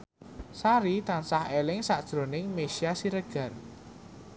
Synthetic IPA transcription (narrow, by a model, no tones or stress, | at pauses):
saɾit̪ansahelɪŋsaʔd̥ʒ̥ɾo̤nɪŋmeʃiasiɾəɡ̥ä̤r